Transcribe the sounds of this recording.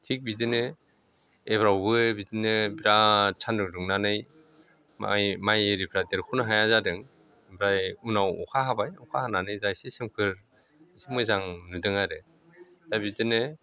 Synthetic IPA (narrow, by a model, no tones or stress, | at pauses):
tʰik̚bidɯnɯ | ebɾawbɯbidɯnɯbiɾat͡ʃʰanɾɯɾɯŋnanɯj | a̰majeɾipʰɾajteɾkʰunɯɦajazadɯŋ | bɾajunawɔ̰kʰaɦabajɔkʰahananɯjdajsesɯmkʰɯɾ | sɯmɯzaŋnɯdɯŋaɾɯ | dajbidɯnɯ